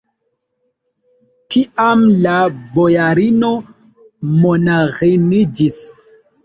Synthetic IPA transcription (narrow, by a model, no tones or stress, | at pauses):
tʰiʔamlabojaɾino | monaɣinid͡ʒis